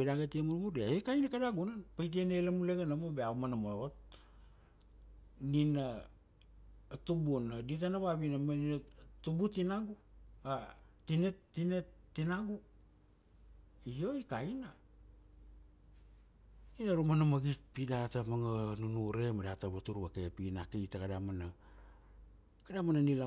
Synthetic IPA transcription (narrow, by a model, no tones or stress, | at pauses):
pedaɡetiemuɾmuɾeakajnakadaɡunanpajt̬ienelamuleɡanamobeawmanamoot̚ | nina | tubunaditanaβabinamaninatubutinaɡuatinetːinetːinaɡu | io̞ikaina | ninaɾumanamaɡit̚pidatamaŋanunuɾe̞madataβatuɾuakepinakejtakadamana | kadamananila